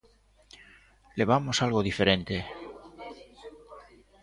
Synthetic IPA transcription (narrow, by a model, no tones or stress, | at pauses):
leβ̞amosalɣoðife̞ɾẽ̞nt̪e